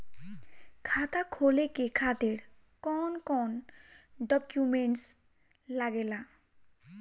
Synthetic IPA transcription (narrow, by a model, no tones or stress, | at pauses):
kʰat̪akʰolekekʰat̪eɾ | kɔnkɔnɖɔkjumeɳʈs | laɡela